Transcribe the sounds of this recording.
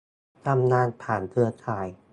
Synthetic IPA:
t̪ʰa˧mnaː˧npʰaː˨˩nkʰɯ˧ɐkʰaː˨˩j

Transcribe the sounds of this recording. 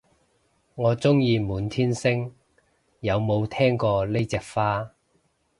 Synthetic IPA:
ŋɔː˨˧t͡sʊ˥ŋjiː˧muː˨˧nt̪ʰiː˥nsɪ˥ŋ | jɐ˨˧wmo˨˧wt̪ʰɛː˥ŋkɔː˧le˥jt͡sɛː˨˧k̚faː˥

